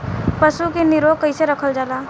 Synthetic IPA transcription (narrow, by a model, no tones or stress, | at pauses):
pəsukenɪɾoːkəɪseɾəkʰəld͡ʒaːlaː